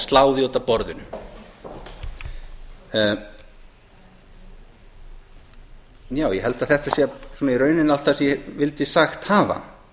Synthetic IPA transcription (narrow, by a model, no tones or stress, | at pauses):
st̪laːwðɪɔt̪apɔɾðʏnʏ | jaːwjɛɦɛlt̪aðθɛht̪asjɛsuːnaiɾœːɥnɪnalt̪θasɛjɛvɪlt̪ɪsaxt̪haːva̰